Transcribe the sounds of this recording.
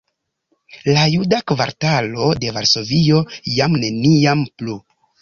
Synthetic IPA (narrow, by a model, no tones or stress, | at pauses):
lajudakva̰ɾtalo̞de̞vaɾso̞vio̞jamne̞niamplu